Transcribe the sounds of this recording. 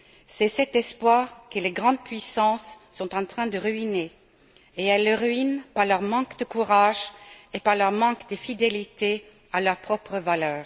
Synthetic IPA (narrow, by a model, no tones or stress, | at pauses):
sɛsɛt̪ɛspwaːʁkəleɡʁɑ̃d̪̚pɥisɑ̃sːɔ̃t̪ɑ̃t̪χɛ̃d̪əʁɥine | eɛlːəʁɥinpaʁlœʁmɑ̃kd̪əkuʁaʒepaʁlœʁmɑ̃kd̪əfid̪elit̪e | alœʁpχɔpχəvalœːʁ